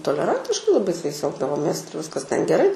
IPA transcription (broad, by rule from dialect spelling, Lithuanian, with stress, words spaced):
toːlʲɛˈrɐnʲtʲɪʃkɐɪ lˠɐˈbɐɪ sʊ jɛɪs ˈɛlˠɡdɐʋoːmʲeːs ˈɪr ʋʲɪskɐs tʲɛn ɡʲɛˈrɐɪ